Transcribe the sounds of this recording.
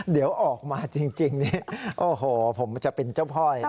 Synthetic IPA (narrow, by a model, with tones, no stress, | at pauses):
di˩˦əwʔɔː˨˩k̚maː˧t͡ɕi˧ŋt͡ɕi˧ŋni˦˧˥ʔoː˧ɦoː˨˩pʰo˩˦mt͡ɕa˨˩ʔpe˧nt͡ɕa˥˩wpʰɔ˥˩j